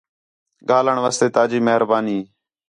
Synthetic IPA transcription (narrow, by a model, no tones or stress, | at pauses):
ɡaːləɳʋaːst̪eːt̪aːd͡ʒiːməɦəɾbaːniː